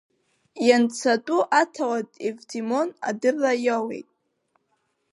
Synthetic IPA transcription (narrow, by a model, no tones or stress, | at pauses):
jant͡sʰatʼuʔatʰawatʼevtʰimo̞na̰dɨrːajawe̞̰jtʼ